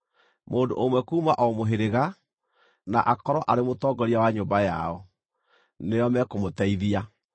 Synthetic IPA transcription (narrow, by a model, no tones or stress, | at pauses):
moːndo̰ʔomwɛkuːmaʔɔmoɦeɾeɣa | na̰ʔakɔɾɔʔaɾemotɔɡɔɾiawaɲoːmbaja̰ɔ | nejɔmɛkomotɛiðia